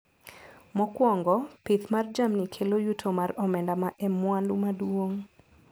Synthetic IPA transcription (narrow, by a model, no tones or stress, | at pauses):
mɔkwɔŋɡɔpɪt̪mard͡ʒamnikʰelojutʰomarɔmɛndamaʔɛmwandumadwoŋ